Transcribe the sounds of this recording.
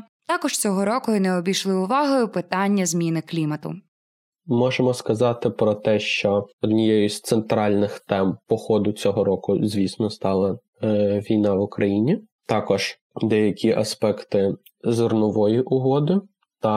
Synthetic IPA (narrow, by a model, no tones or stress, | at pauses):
t̪ɑkɔʃt͡sʲɔɦɔɾɔkʊɪnɛɔbʲiʃlˠɪʊʋɑɦɔjʊpɪt̪ɑnʲːɐzʲmʲinɪklʲimɐt̪ʊ̰ | mɔʒemɔskɐzɑt̪ɪpɾɔt̪ɛʃt͡ʃɔɔd̪nʲijɛjʊsʲt̪sent̪ɾɑlʲnɪxt̪ɛmpɔxɔd̪ʊt͡sʲɔɦɔɾɔkʊzʲʋʲisnɔst̪ɑlˠɐ | ʋʲijnɑʋʊkɾɐjinʲi | t̪ɑkɔʒ̥ | d̪ɛjɐkʲʰiʔɐspɛkt̪ɪ | zɪrnʊʋɔjiʔʊɦɔd̪ɪ | t̪ɐ